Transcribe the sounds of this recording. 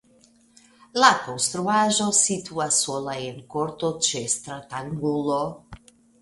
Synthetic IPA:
lakowst̪ɾuaʒosit̪uasolajenkoɾt̪ot͡ʃest̪ɾat̪aŋɡulo

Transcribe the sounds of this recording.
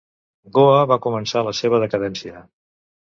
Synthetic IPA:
ɡoəβakumənsaləseβ̞əðəkəðɛnsiə

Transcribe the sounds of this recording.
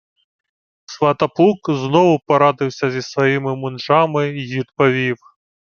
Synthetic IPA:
sʋɐt̪ɐpukznɔʋʊpɐɾɑd̪ɪwsʲɐzʲisʋɐjimɪmʊnʐamɪʋʲid̪pɐʋʲiw

